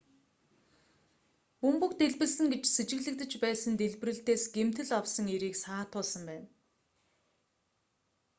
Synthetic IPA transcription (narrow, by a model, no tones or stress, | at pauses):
pɵmpɵ̆kt̪eɮpɘ̆ɮsɘ̆ŋɡet͡ɕset͡ɕɪ̆ɣɮɘ̆k̚t̪ɘ̆t͡ɕpæːsə̆nt̪eɮpɘ̆rɘ̆ɬt̪eːsɡ̥em̥t̪ɘ̆ɮɔwsə̆ŋeɾiːksaːt̪ʰʊːɮsə̆mpæːn